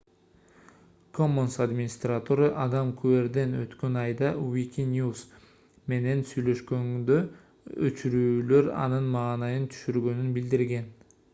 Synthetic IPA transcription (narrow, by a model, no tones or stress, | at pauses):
kʰo̞mːonsad̪mʲinʲist̪rat̪oɾɑʔɑd̪ɑmkʰue̞ɾd̪e̞nø̰t̪kø̞nɑjd̪ɑwikʲinʲjus | me̞ne̞nsyjlø̞ʃkø̞ŋd̪ø̞ | ø̰t͡ʃyɾyːlø̞ɾɑ̰nɯnmɑːnɑjɯnt̪ʰy̥ʃyɾɡø̞nynbild̪iɾɡe̞n